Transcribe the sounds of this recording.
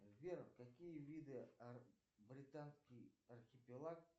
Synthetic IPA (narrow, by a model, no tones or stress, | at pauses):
vʲerkakʲijəvʲid̪ɨ | brʲɪt̪anskʲijarxʲɪpʲɪlˠak